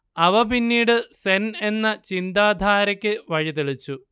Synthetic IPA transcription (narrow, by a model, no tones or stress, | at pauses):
ɐʋɐpinːiːɽɨsene̞nːɐt͡ɕind̪aːd̪ʱaːɾɐkʲːɨʋɐɻit̪iɭit͡ɕːu